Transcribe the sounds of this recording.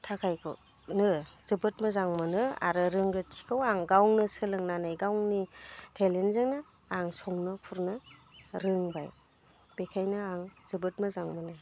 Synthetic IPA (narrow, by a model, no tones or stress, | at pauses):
tʰakʰajkʰɯ̰ | nɯz̥ɯbɯt̚mɯzaŋmɯnɯa̰ɾɯɾɯŋɡɯtʰi̥kʰɯwaŋɡawŋnɯsɯlɯŋnanajɡawŋnitʰelenzɯŋnɯ | aŋsɔŋnɯkʰuɾnɯɾɯŋba̰j | b̥ekʰajnɯaŋz̥ɯbɯt̚mɯzaŋmɯnɯ